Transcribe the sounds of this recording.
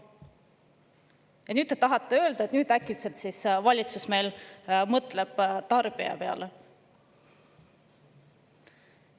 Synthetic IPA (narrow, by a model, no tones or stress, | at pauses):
jɑnyːd̪̚et̪ɑɦɑt̪ːe̞ø̞ːld̪̥ɑet̪nyːd̪ækːˑilselt̪sisvɑlʲit̪susme̞ːlmɤt̪ˑleb̥t̪ɑrb̥iɑ̰pe̞ɑ̰le